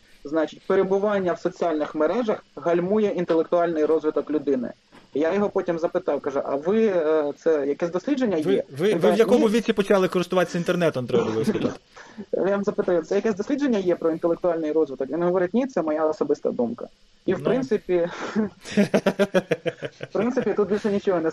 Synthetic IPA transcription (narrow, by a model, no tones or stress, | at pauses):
znɑt͡ʃɪt̚ʲpeɾebʊʋɑnʲːɐwsɔt͡sʲialʲnɪxmeɾɛʒɐxɦɐlʲmujɛint̪elˠekt̪ʊɑlʲnɪjɾɔzʋɪt̪ɔklʲʊd̪ɪnɪ̰ | jajɔɦɔpɔtʲimzɐpɪt̪ɑwkɐʒʊʔɐ̰ʋɪt̪sɛjɐkɛzʲd̪ɔsʲlʲidd͡ʒenʲːɐjɛʋɪinʋ̪jɐkɔmʊʋʲit͡sʲːipɔt͡ʃɑlˠɪkɔɾɪst̪ʊʋɑt̪esʲint̪ernɛt̪ɔnt̪ɾɛbʊlˠ | jʲizɐpɪt̪ajʊsɛjɐkɛsʲd̪ɔsʲlʲidd͡ʒe̞nʲːɐjɛpɾɔint̪elˠek̚t̪ʊalʲnɪjɾɔzʋɪt̪ɔkʋinɦɔʋɔɾɪtʲnʲit̪sɛmɔjaɔsɔbɪst̪ɐ̰d̪umkɐ̰ | iwpɾɪnt̪sɪpʲi | fpɾɪnt̪sɪpʲit̪ut̪̚bʲilʲʃɛnʲit͡ʃɔɦɔnɛ